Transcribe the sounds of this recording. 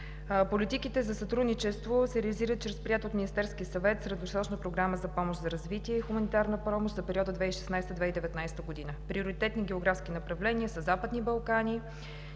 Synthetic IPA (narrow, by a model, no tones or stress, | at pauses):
polit̪ikit̪ɛzɐsɐt̪ɾud̪nit͡ʃɛst̪vosɛɾɛliziɾət̪̚t͡ʃɾɛspɾiat̪ot̪minʲist̪ɛɾskiəsɐvɛt̪sɾɛd̪vosɾɔt͡ʃnəpɾoɡɾaməzɐpɔmoʃt̪zɐɾɐzvit̪iɛixumɐnit̪aɾnəpɾɔmoʃt̪zɐpɛɾiɔd̪əd̪vɛiʃɛ̥snajst̪əd̪vɛid̪ɛvɛt̪najsɛ̥t̪əɡod̪inəpɾioɾit̪ɛt̪niɡʲɛoɡɾafskinəpɾɐvlɛniəsəzapəd̪nibɐlˠkanʲi